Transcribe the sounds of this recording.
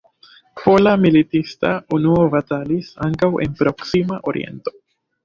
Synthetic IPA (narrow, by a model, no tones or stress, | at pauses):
po̞lamilitistaunuovatalisa̰ŋkawʔe̞̰npɾo̞ksimaʔo̞ɾḭʔe̞̰nto̞̥